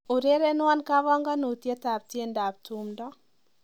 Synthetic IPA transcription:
u˨ɾe˦ɾe˦nwa˦nka˦βa˦ŋɡa˦no˨tje˦ta˨p̚tje˦nda˨p̚tu˨mdɔ˦

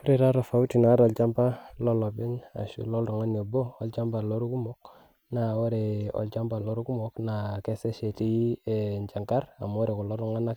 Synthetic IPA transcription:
fu˦ɾe˨ɾa˦ɾɔ˨fa˨˦u˦ti˨na˨˦ɾɔ˨lt͡ʃa˦mpa˦lɔ˦lɔ˨bɪ˦na̰˨ʃṵ˨lɔ˦ldɔ˨ŋa˦n˨o˨bo˦ɔ˨lt͡ʃa˦mba˨lo˦ɾu˦ku˦mɔ˦k̚ | na˨o˦ɾe˨ɔ̰˨lt͡ʃa˦mba˨lo˦ɾu˦ku˦mɔ˦kna˨kɛ˦sɛ˦ʃe˨ti˦nt͡ʃa˨ŋka˦ɾa̰˨m˨ɔ˦ɾe˨ku˨lɔ˦ldu˦ŋa˦na˦k

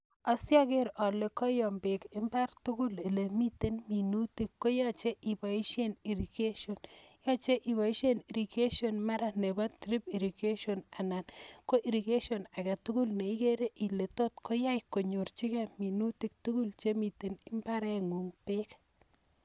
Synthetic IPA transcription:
a˨sja˦ke˦ɾɔ˨le˨kɔ˦jɔ˨mbe˨kɪ˦mba˦rtu˦ku˦li˨le˨mi˦te˦nmi˨nu˦ti˦kːo˦ja˦t͡ʃe˦ʔi˨ba˨i˦ʃe˦ni˨ɾi˨ke˦ʃo˨njɔ˦t͡ʃe˦ʔi˨βa˨i˦ʃe˦ni˨ɾi˨ke˦ʃo˨nma˦ɾa˦ne˨ba˦tɾi˦pi˨ɾi˨ke˦ʃo˨na˨na˨nko˦ʔi˨ɾi˨ke˦ʃo˨na˨ka˨tu˦ku˦lne˨i˦ke˦ɾe˦ʔi˨le˨to˦t̚ko˦ja˦jko˨ɲo˨rt͡ʃi˦kɛ˨mi˨nu˦ti˦k̚tu˦ku˦lt͡ʃe˦mi˨te˨nɪ˦mba˦ɾɛ˦ŋu˨ŋpe˦k

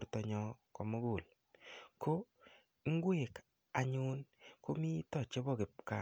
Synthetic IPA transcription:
ɾtɔ˨ɲɔ˦kɔ˨mo˦ɡo˨l | ko˦ | ŋ˦ɡwe˦˨k | a˨ɲʊ˦nko˦mi˦tɔ˦˨t͡ʃe˦bɔ˦˨kɪ˨p̚ka˦

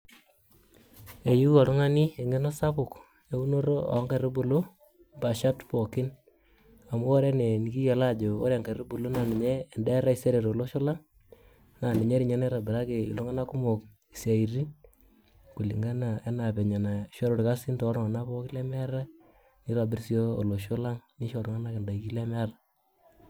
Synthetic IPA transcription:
e˨ju˦ɔ˨lu˦ŋa˦ni˦e˨ŋɡe˦no˦sa˦pʊ˨k | e˦u˦no˦ɾo˦a̰˨˦ŋke˨ɾe˦bo˨lo˦ | ba˨ʃa˦tpɔ˨kɪ˦n | a˨mu˦o˦ɾe˦ne˨ni˨ki˦ja˨la˦˨d͡ʒo˨o̰˦ɾe˨ŋka˨ɾe˦bu˨lo˦na˨ni˨ɲeː˦˨ndɛ˦ɾa˦i˨se˦ɾe˨ɾo˨lo˦ʃɔ˦la˦ | na˨nɪ˨ɲe˦ɾi˨ɲa˦n˦ɾa˨bɪ˨ɾa˦ke˨ḭ˨lo˦ŋa˦na˦ku˦mo˨k̚ | i˨sa˨i˨ɾi˦ | ku˨li˨ŋɡa˦na˨e˦na˨pɛ˨ɲa˨na˨i˨ʃɔ˦ɾo˨ɾka˦si˦ntɔ˨˦ɾɔ˨ŋa˨na˦pɔ˦kɪ˦lɛ˦m˦ɾa˦ | ni˦ɾa˨bɪ˦ɾsi˨o˦o̰˨lo˨ʃʊ˦la˦ŋni˦ʃo˨ɾo˨ŋa˦na˦kɛ˨nda˨i˨ki˦lɛ˦mɛ˦a˦ra˨

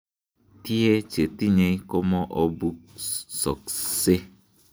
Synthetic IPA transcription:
t̪i˦e˦t͡ʃe˨t̪i˦˨ɲẽ˧˦ko˦mɔ̃˦ʔɔ˧bu˦sɔ̰˨kse˦

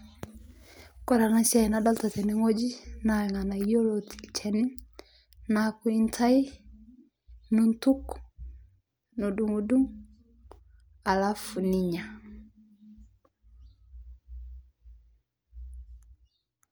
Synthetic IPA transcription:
kɔ˦˨ɾa˨na˦ʃa˦˨na˦dɔ˦lta˨tɛ˨ni˦ŋo˦d͡ʒi˦na˨ŋa˨na˨i˦jo˦lo˨ti̥˨lt͡ʃʰɛ˨ni˦ | na˨ku˨˦i˦ntʰa˦i˦ | nu˨ntu˦k | no˨du˨ŋu˨du˦ŋ | a˨la˦fu˨ni˨ɲa˨

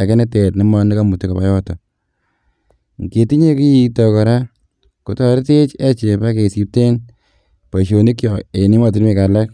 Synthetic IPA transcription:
a˨ke˦nɛ˦te˨tni˦mɔ˦ni˦ka˦mu˨ti˦ka˨pa˨˦jɔ˦tɔ˨ | ŋ˨ke˨ti˦ɲe˦ki˦ji˨tɔ˨kɔ˨ɾa˦ | ku˦tɔ˨ɾte˦t͡ʃe˦t͡ʃe˨pa˦ke˨si˨p̚te˦n | pa˨ʃo˨ni˦kjɔ˨e˨ni˦ma˨t̬i˦ɾme˨ka˨la˦k̚

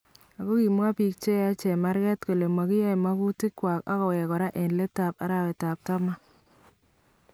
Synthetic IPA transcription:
a˨kɔ˦ki˨m˦a˦pi˨k̚t͡ʃe˦a˦t͡ʃɛ˨ma˦ɾɡɛ˦tko˨le˨ma˨kɪ˦ja˦jma˦ku˦ti˦kːwa˨ka̰˦kɔ˨wɛ˨kɔ˨ɾa˦ʔɛ˨nle˦ta˨pa̰˦ɾa˨wɛ˨ta˨p̚ta˦ma˦

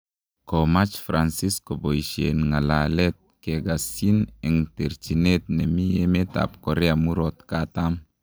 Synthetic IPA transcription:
ko˨ma˦t͡ʃfɾa˨nsi˦sko˨bo˨iʃḛ˨nŋa˨la˨lɛ˦t̪̚ke˨ɡa˨si˦nɛ˨ŋte˨ɾt͡ʃi˨ne˦t̪̚nɛ˨mi˦je˦me˦ta̰p̚ko˨ɾɛ˦a˨mu˦ɾɔ˨t̪ka˦ta˦m

